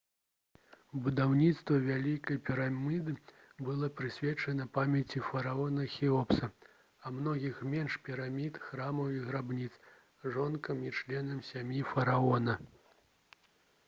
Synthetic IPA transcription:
bud̪awnʲit̪st̪vɐvʲalʲikɐjpʲiɾamʲid̪ɨ | bɨlˠɔpɾɨsʲvʲɛt͡ʂɐnɐpamʲɛt͡sʲifɐɾaɔnɐxʲiɔpsɐ | ɐmnɔɣʲixmʲɛnʂpʲiɾamʲit̪xɾamɐwiɣɾabnʲit̪s | ʐɔnkɐmit͡ʂlʲɛn̪ɐmsʲamʲjifɐɾaɔnɐ

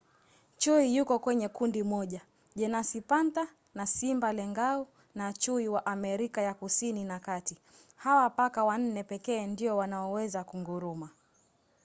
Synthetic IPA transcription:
t͡ʃuijukɔkwɛɲɛkundimɔʄa | ʄɛnasipanta | nasimbalɛŋɡau | nat͡ʃuiwaʔamɛɾikajakusininakati | hawapakawan̩nɛpɛkɛːndiɔwanaɔwɛzakuŋɡuɾuma

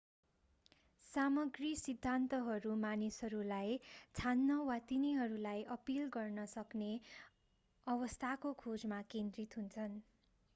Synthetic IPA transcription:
samʌɡrisid̪ʱːant̪ʌɦʌɾumanisɦʌɾulajt͡sʰanːʌwat̪iniɦʌɾulajʔʌpilɡʌrnʌsʌkne | ʌβʌst̪ʰakokʰod͡zmakend̪rit̪ɦunt͡sʰʌn

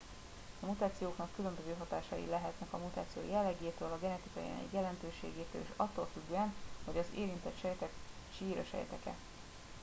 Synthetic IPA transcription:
ɒmut̪aːt̪sijoːknɒkːylø̞mbøzøːɦɒt̪aːʃɒjḭlɛɦɛt̪nɛkɒmut̪aːt̪sijo̰ːjɛlːɛɡeːt̪øːlɒɡɛnɛt̪ikɒja̰nɛ̰kjɛlɛnt̪øːʃḛːɡeːt̪ø̰ːlḛːʃɒt̪ːoːlfyɡːøːɛnho̞ɟɒzeːɾint̪ɛt̪ʃɛjt̪ɛk | ʃiːɾɛʃɛ̰jɛt̪ɛkɛ̰

